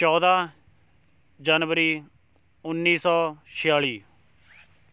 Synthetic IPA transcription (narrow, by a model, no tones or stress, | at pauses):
t͡ʃɔːd̪aː | d͡ʒaːnʋəɾiː | ʊnːiːsɔːʃɪjaːɭiː